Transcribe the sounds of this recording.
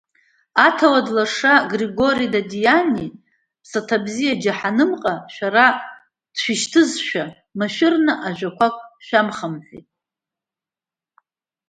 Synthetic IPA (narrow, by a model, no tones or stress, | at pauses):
atʰawadlaʂaɡriɡo̞ɾijdadijani | pʰsatʰabzijad͡ʒaħanɨmqʼaʃʷᶣaɾa | d̥ʃʷᶣiʃtʰɨzʃᶣa | maʃᶣɪrnɨʔaʒʷᶣakʷʰakʷʼʃᶣamχamħʷḭtʼ